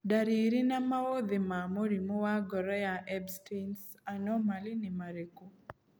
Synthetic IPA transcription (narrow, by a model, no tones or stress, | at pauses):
daɾiɾinamawod̪ɪmamoɾimowaɡɔɾɛjaʔɛbstens | anɔmalinɪmaɾeko